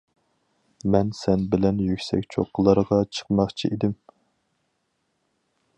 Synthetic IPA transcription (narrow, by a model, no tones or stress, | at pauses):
mɛnsɛnbɪlɛnjykʲsɛ̰kʲt͡ʃʰo̰qʰːəlˠəɾʁɑt͡ʃʰə̥qmɑχt͡ʃʰḭʔid̪ɪm